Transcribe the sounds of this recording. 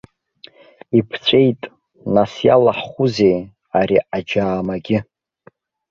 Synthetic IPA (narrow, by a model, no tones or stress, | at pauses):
ipʰt͡ɕʷʼe̞jtʼ | nasjalaħχʷuze̞j | aɾiʔad͡ʒaːmaɡʲɪ